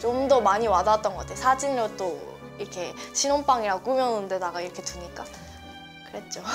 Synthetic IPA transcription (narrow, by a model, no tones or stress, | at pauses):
t͡ɕomdʌmaɲiwadat͈ʌnɡʌatʰejosʰad͡ʑinɾot͈o | iɾkʰe̞ɕʰinonp͈aŋiɾak͈umjʌnunde̞daɡaiɾʌkʰe̞tuɲik͈a | kɯɾe̞t̚t͡ɕ͈o